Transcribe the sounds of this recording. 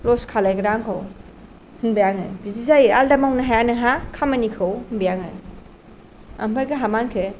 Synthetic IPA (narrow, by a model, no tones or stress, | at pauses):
lɔskʰalajɡɯɾaŋkʰɯw | hunbijaŋɯ̰jbizizajaldamawnaɦajanɯɦakʰamanikʰɯwhunbijaŋɯ | ampʰajɡɐɦamankʰe